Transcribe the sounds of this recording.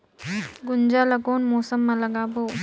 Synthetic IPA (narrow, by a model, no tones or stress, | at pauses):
ɡund͡ʒaləɡoːnmoːsəmːaləɡaːbow